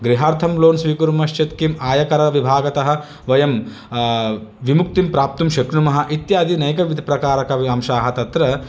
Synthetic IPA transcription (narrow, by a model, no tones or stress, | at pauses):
ɡɾiɦaːɾt̪ʰɐmloːnsʋiːkuɾmɐʃt͡ʃɐt̪kimaːjɐkɐɾɐʋibʱaːɡɐt̪ɐɦɐ̆ | ʋɐjɐm | ʋimuk̚t̪impɾaːp̚t̪umʃɐkɾumɐɦɐ̆ʔit̪jaːd̪inɐjkɐʋid̪ʱipɾɐkaːɾɐkɐɐmʃaːɦɐt̪ɐt̪ɾɐ